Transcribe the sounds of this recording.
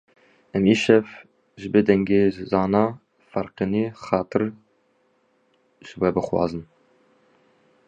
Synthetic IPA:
ɛmiːʃɛf | ʒɨbɨd̪ɛŋɡeːzɑːnɑː | fɑɾqɨniːxɑːt̪ʰɨɾ | ʒ̥ɨwɛbɨxwɑ̰ːzɨn

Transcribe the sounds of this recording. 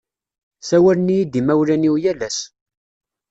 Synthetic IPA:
sæwælnijid̪imæwlæniwjælæs

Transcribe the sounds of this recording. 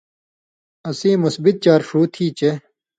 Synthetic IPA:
ɐsiːmusbit̪̚t͡ɕaːɾʂuːt̪ʰiːt͡ɕe

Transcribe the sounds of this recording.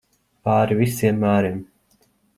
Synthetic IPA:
paːɾivisiɛmːaːɾim

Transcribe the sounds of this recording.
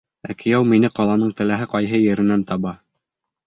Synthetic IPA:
ækɘ̆jæwminɘqɑlˠɑnɤɴt̪ɘ̆læɦɘqɑjɦɤjɘ̆ɾɘ̆nænt̪ɑβɑ

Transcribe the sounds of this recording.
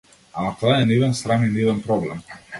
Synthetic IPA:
ak̪ɔaɛnivɛnst̪ɾaninivɛnpɾɔblɛ̰m

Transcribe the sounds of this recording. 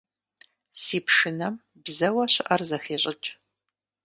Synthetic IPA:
siːpʰʂɨnɐm | bzɐwɐɕɪʔɐrzɐxeːɕʼɪt͡ʃʼ

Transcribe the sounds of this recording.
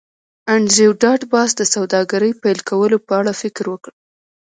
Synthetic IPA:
aɳɾewɖɑʈbɑsd̪əsawd̪ɑɡaɾəjpajlkawəlopəaɽafɪkɾwəkəɽ

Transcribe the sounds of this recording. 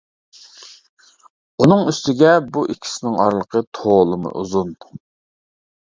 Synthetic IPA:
unɨŋyst̪ʰɪɡʲɛbuʔikʲʰi̥sɪnɪŋɑ̰ɾlˠəqʰət̪ʰoːlˠɨmɨ̰ʔuzun

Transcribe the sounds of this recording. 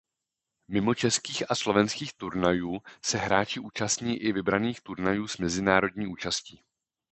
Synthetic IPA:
mɪmo̞t͡ʃɛskiːxaslo̞vɛnskiːxt̪uɾnajuːsɛɦɾaːt͡ʃɪʔuːt͡ʃast̪ɲiːʔɪvɪbɾaniːxt̪uɾnajuːsmɛzɪnaːɾo̞dɲiːʔuːt͡ʃasciː

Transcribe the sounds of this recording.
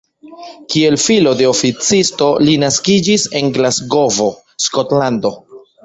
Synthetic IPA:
kie̞lfilo̞de̞ofit͡sisto̞linaskid͡ʒise̞nɡlazɡo̞vo̞ | sko̞tlando̞

